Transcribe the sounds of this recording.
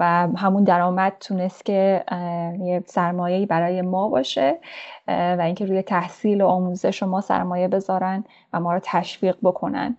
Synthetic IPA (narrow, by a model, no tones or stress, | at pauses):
væɦæmund̪æɾɒːmæd̪̥̚t̪ʰune̞st̪cʲʰe̞ | jesæɾmɒːje̞iːbæɾɒːje̞mɒːbɒːʃe | væiːŋkʲʰe̞ɾuːje̞t̪ʰæhsiːloɒːmuːzeʃomɒːsæ̰ɾmɒːje̞be̞zɒːɾæn | væmɒːɾɒːt̪ʰæʃfiːɢ̚bo̞kʰo̞næ̰n